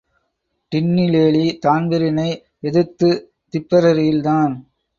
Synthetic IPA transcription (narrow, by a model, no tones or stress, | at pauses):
ʈ̪ɪnːileːlit̪aːnbɪɾɪnɐɪ | ɛðɯt̪ːɯ | t̪ɪpːɐɾɐɾɪjɪlt̪aːn